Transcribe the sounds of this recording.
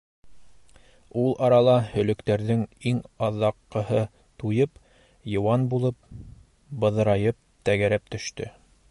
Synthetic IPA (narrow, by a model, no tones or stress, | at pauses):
ulˠʔɑɾɑlˠɑhɵ̆lɵ̆kt̪æɾðɘŋiŋɑðːɑqːɤ̆hɤ | t̪ujɤp | jɤ̆wɑnbulˠɤp̚ | bɤ̆ðɤ̆ɾɑjɤp̚t̪æɡæɾæp̚t̪ɵ̆ʃt̪ɵ̰